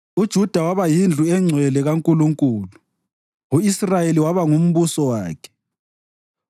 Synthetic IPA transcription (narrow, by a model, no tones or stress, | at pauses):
ud̥ʒ̥ʱud̥ʱawaβajind͡ɮʱuɛŋ͡ǀʱwɛlɛɣaŋkʼuluŋkʼuːlu | uisrajeliwaβaŋum̩βusɔwaːkʰɛ̥